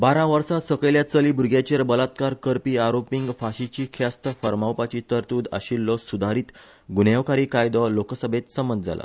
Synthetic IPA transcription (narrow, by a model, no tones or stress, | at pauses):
baɾãʋəɾsasəkeljat͡səliːbuɾɡʱjat͡ɕeɾbəlat̪kaɾkəɾpiːaɾopiŋɡfaɕit͡ɕiːkʰast̪əfəɾmawpat͡ɕiːt̪əɾt̪uːd̪ə̰ɕilːɔsud̪ʱaɾiːt̪ | ɡuneʋkaɾiːkajd̪ɔloksəbʱet̪səmənd͡zʱa̰la̰